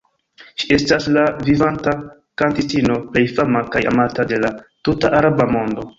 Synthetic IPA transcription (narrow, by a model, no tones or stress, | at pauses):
ʃi̥e̞staslavivanta | kantistino̞ple̞jfamakaja̰matade̞latutaʔaɾabamo̞ndo̞